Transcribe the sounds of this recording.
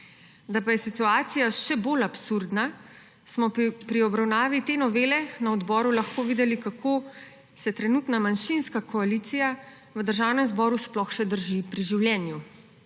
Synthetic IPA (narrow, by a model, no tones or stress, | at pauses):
d̪apajɛsit̪uaːt̪sijaʃɛbolapsuɾd̪na | smɔpɾiɔbɾawnaːʋit̪eːnɔʋeːlɛnaɔd̪bɔːɾulaxkoːʋiːd̪ɛlikakʰoː | sɛt̪ɾɛnut̪namanʃinskakɔaliːt̪sija | ʋəd̪əɾʒaːwnɛmzbɔːɾusplɔxʃɛd̪əɾʒipɾiʒiwljɛnju